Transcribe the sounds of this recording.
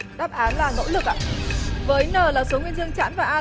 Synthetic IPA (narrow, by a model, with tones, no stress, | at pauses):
ɗaː˦˥p̚ʔaː˨˦nlaː˨˩no̰˧˥lɨ˨˩k̚ʔa̰ː˧˥˨vəː˨˦jnəː˨˩laː˨˩so˨˦ŋwi˧ənzɨ˧əŋt͡ɕa̰ː˧˥nvaː˨˩ʔaː˧